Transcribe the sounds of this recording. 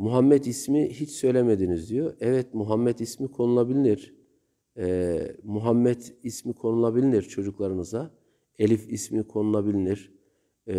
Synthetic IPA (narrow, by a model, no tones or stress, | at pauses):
muɦamːɛt̪ismiɦit͡ʃsø̞jlʲemed̪inizd̪ijoɛvɛt̪muɦamːɛt̪ismikʰo̞nulˠabilʲiniɾ̥ | ɛmuɦamːɛt̪ismikʰo̞nulˠabilʲiniɾt͡ʃʰo̞d͡ʒuklˠaɾɯnɯza | elʲifismikʰo̞nulˠabilʲiniɾ̥